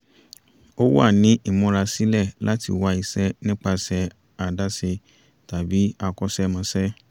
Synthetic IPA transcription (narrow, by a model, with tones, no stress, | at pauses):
o˦wa̰˦˨nĩ˨˦ʔi˦˨mɔ̃˨˧˦ɾa˧si˦lɛ˦˨la˦tḭ˧wa˧i˧sɛ˦nĩ˦k͡pa˧sɛ˧ | a˨da˦se˧ | ta˨bi˨˦a˧kɔ˦sɛ˦mã˧˦sɛ˦